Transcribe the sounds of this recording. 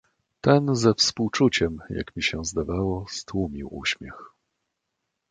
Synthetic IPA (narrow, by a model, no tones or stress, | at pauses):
t̪ɛnzɛfspuwt͡ʂut͡ɕɛmja̰kmʲiɕɛzd̪avawɔst̪wumʲiwṵɕmʲjɛx